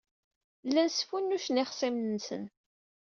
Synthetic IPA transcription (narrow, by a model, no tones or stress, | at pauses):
lːænsfunːuʃnɪχsimənsə̰n